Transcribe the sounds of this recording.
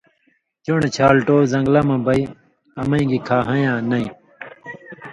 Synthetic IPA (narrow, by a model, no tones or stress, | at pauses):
t͡ɕuɳet͡ɕʰaːlʈoːzɐ̃ŋɡlɐmɐ̃bɐi | ɐmɐ̃ĩɡikʰaːɦɐ̃jãːnɐĩ